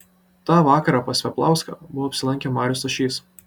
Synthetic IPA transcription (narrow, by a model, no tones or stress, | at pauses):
t̪ɑːʋɑːkɐɾɑːpɐsʲʋʲɛplˠɑˑʊskɑ̰ːbʊʋɔɐpʲsʲɪlˠɐŋʲkʲɛmɑːɾʲʊsɐʃʲiːs